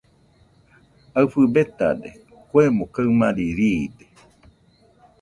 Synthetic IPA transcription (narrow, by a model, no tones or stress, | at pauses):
aɨfɨbet̪a̰d̪ḛ | kʷemõkaɨmãɾiɾid̪e